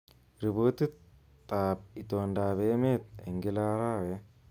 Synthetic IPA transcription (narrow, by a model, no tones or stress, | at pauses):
ɾiboːt̪ɨ | t̪ʼːaːp̚it̪oːnɖaːβeːmeːt̪̚ḛŋɡilaːɾaːwe